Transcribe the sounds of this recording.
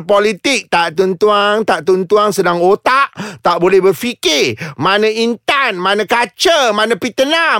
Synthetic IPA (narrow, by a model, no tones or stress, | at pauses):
polit̪ɪk̚t̪aʔt̪unt̪uaŋt̪aʔt̪unt̪uaŋsədaŋot̪aʔt̪aʔbolɛhbərfikɪmãnãint̪anmãnãkat͡ʃəmãnãpit̪əna